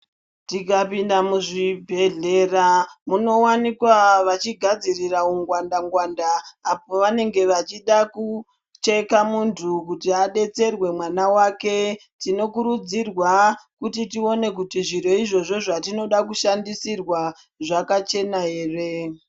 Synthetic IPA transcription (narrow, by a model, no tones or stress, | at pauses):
tikapindamuʐibʱe̞ɮe̞ːramuno̞wanikwaʋat͡ʃiɡʱad͡zirirauŋɡwandaŋɡwandaːp̚oʋane̞ŋɡe̞ʋat͡ʃiɗaku | t͡ʃe̞kamuntʰukutiaɗe̞t͡se̞rwe̞mwanawake̞ | tino̞kuɾud͡zirwakutitio̞ne̞k̬utiʐiro̞iʐo̞ʐo̞ʐatino̞ɗakuʃandisirwa | ʐakat͡ʃe̞naɦe̞ːre̞